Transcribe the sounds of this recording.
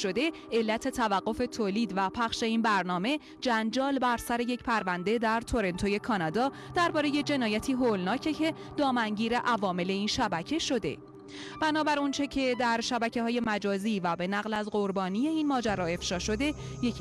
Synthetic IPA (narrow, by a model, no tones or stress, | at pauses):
ʃo̞d̪e̞ | elːæt̪ʰe̞t̪ʰævæɢːo̞fe̞t̪ʰoːliːd̪væpʰæχʃe̞iːnbæɾnɒːme̞ | d͡ʒænd͡ʒɒːlbæɾsæɾe̞je̞cpʰæɾvænd̪e̞d̪æɾt̪ʰo̞ɾe̞nt̪ʰoje̞kʰɒːnɒːd̪ɒː | d̪̥æɾbɒːɾeje̞d͡ʒe̞nɒːjæt̪ʰiːɦolnɒːcʰe̞cʰe̞ | d̪ɒːmæŋɟiːɾe̞ʔævɒːme̞le̞iːnʃæbæcʰe̞ʃo̞d̪e̞̰ | b̥ænɒːbæɾont͡ʃʰe̞cʰe̞d̪æɾʃæbæcʰe̞hɒːje̞mæd͡ʒɒːziːvæbe̞næɣlæzɢo̞ɾbɒːnije̞iːnmɒːd͡ʒæɾɒːe̞fʃɒːʃo̞d̪e̞ | jecʰ